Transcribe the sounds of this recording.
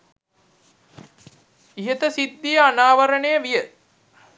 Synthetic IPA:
iɦət̪əsid̪ːijəanaːʋəɾənejəʋijə

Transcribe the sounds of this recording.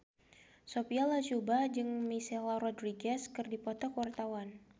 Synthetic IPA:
sopialat͡ʃubad͡ʒɨŋmisɛlaɾɔdriɡɛskɨrdipɔt̪ɔkwart̪awan

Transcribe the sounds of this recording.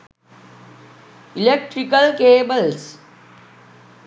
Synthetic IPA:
ilek̚ʈɾikəlkeːbəls

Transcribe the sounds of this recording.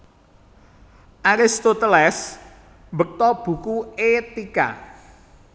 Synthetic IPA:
ʔaɾɪst̪ot̪əlɛs | mbək̚t̪ɔb̥ṳkuet̪ika̰

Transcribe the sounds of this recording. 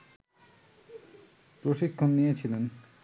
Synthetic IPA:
pɾoʃikʰːonːijet͡ɕʰilen

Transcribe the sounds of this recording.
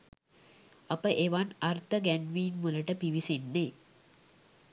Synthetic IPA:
ɐpəʔeʋanart̪ʰəɡænʋiːnmuləʈəpiʋisenːe

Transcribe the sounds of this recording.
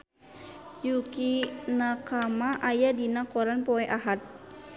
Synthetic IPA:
jukinakamaʔajadinakɔɾanpɔɛʔaɦat̪̚

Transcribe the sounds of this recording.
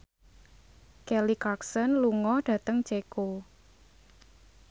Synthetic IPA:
kɛlikaksɔnluŋɔɖ̥ä̤t̪əŋt͡ʃeko

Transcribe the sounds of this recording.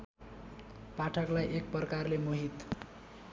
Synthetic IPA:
paʈʰʌklajʔek̚pʌrkarlemoɦit̪

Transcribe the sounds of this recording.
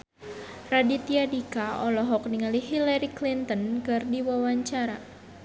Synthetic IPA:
radit̪iadikaɔlɔɦɔk̚niŋaliɦilaɾiklint̪ɔnkɨrdiwawaɲt͡ʃaɾa

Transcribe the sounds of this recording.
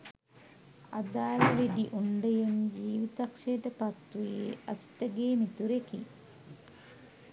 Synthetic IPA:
a̰d̪aːləʋeɖiʔuɳɖəjend͡ʒiːʋit̪ɐkʃejʈəpɐt̪ːujeʔasi̥t̪əɡeːmit̪uɾekḭ

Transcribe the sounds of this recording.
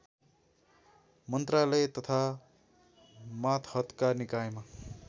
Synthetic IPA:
mʌnt̪ralʌjt̪ʌt̪ʰa | mat̪ʰhʌt̪kanikajma

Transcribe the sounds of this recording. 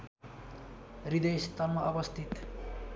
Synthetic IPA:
rid̪ʌjst̪anmaʌbʌst̪ʰit̪

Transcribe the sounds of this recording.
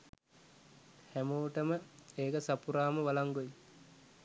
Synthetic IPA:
hæmoːʈəməeːkəsapuɾaːməʋalaŋɡoji

